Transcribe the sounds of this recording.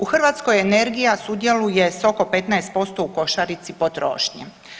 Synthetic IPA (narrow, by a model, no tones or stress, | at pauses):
uxr̩ʋat̪skojene̞ɾɡijasud̪je̞luje̞so̞ko̞pe̞t̪naest̪̚po̞st̪o̞uko̞ʃaɾit̪sipo̞t̪ɾo̰ːʃɲḛ